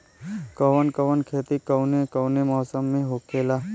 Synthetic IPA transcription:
kəʋənkəʋənkʰeːt̪ikəwnekəwnemɔːsəmːẽɦoːkʰeːla

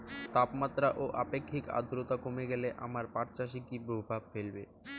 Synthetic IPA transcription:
t̪apmat̪ːɾaʔoʔapekʰːika̰d̪ɾot̪akomeɡɛleʔa̰maɾpaɾt͡ɕaʃ̬ikipɾobʱabfelbḛ

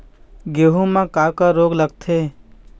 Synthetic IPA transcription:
ɡeːɦũmãkakaɾoːɡləɡt̪ʰeː

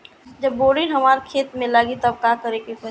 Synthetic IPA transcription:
d͡ʒɐbːoːɾinɦɐmaːɾkʰeːt̪mẽlaːɡit̪ɐb̚kaːkəɾekefə

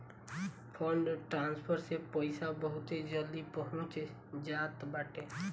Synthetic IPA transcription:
pʰɔɳɖʈɾãːnspʰəɾsepəɪsabəɦʊt̪ed͡ʒəld̪ipəɦʊ̃t͡ʃ | d͡ʒaːt̪baːʈeː

